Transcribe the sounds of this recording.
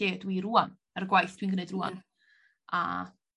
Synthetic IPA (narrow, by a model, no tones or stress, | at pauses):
eːdwiɾuːan | ərɡwajθd̥winɡənedrua̰n | a̰